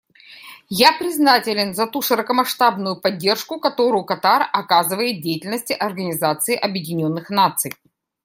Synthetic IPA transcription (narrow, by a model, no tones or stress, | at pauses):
japɾʲɪznatʲɪlʲɪnzɐt̪uʂɨɾəkəmɐʂt̪abnʊjʊpɐdʲːe̞rʂkʊkɐt̪o̞ɾʊjʊkɐt̪arɐkazɨvəjɪt̪̚dʲejɪtʲɪlʲnəsʲtʲɪʔɐrɡənʲɪzat̪sɨɪʔɐbjɪdʲɪnʲo̞nːɨxnat̪sɨj